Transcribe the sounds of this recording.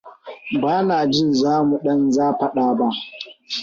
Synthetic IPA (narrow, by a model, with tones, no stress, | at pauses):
baː˦naː˨d͡ʒɪ˦˨nzaː˦mu˨ɗɐ˦nzaː˦ɸɐ˦ɗaː˦ba˦ʔ